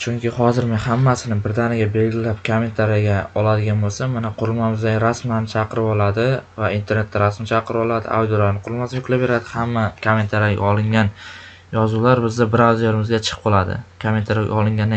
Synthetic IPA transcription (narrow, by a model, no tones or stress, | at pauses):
t͡ʃʰʊŋkʲɪhɒzɪɾmenhamːasɪnɪbɪɾd̪anɪɡʲabe̞lɡʲɪlap̚kʰome̞nt̪ʰaɾjaɡʲaɒlˠad̪ɪɡʲanbolˠsamːanaqʰʊɾɪlˠmamɪzd̪aɡɾasmanɪt͡ʃʰɑqʰɨɾɪbɒlˠad̪ɪvaint̪ʰe̞ɾne̞t̪ːaɾasmant͡ʃʰaqʰɨɾɪbɒlˠad̪ɪ̰ʔa̰wd̪jolaɾnɨqʰʊɾɪlmasajʊkʰʲlapːe̞ɾad̪ɪhamːakʰome̞nt̪ʰaɾjaɡʲa̰ɒlˠɪŋɡʲan | jɒzulaɾbɪzd̪abɪɾawd̪oɾɪmɪzɡʲat͡ʃʰɨ̥q̚bɒlˠad̪ɪ̰kʰome̞nt̪ʰaɾja̰ɡʲa̰ɒlˠɪŋɡʲan